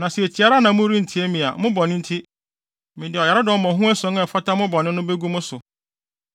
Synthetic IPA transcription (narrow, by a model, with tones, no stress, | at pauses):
nã˨sɪ˨e˨t͡ɕʰi˨a˦ɾa˦nã˨mʊ̃˦ɾi˦n̩˨tʰi˦æ˦mĩ˨a̰˨mʊ̃˦bɔ˨nɪ̃˦n̩˦tʰi˦ | mĩ˨dɪ˨ɔ˨ja˨ɾa˦dɪ˨ɔ˨mã˨ɦũ˦æ˦sɔ̃˦ŋɛ˦˨fa˦ta˦mʊ̃˦bɔ˨nɪ̃˦nʊ̃˦be˦ɡu˦mʊ̃˦sʊ˨